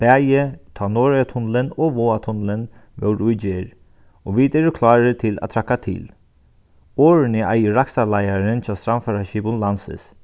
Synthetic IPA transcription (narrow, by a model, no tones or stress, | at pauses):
b̥æːjət̪ʰɑːnɔːɹat̪ʰʊnlɪnɔʋoːat̪ʰʊnlɪnʋɛ̰wɾʊjd͡ʒeːɹ | ɔʋid̪eːɾʊkʰlɑːɹɪt̪ʰɪla̰t̪ʰɾakːat̪ʰɪ̰ːl | oːɹɪnɪajəɾaksalajaɾɪnt͡ʃʰaːst̪ɾamfaɾaʃiːbʊnlansɪ̰s